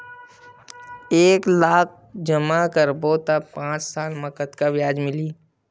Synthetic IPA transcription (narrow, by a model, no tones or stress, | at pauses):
eːklaːk̚ʰ | d͡ʒəmakəɾboːt̪apãːt͡ʃsaːlməkət̪kaʋɪjaːd͡ʒmɪliː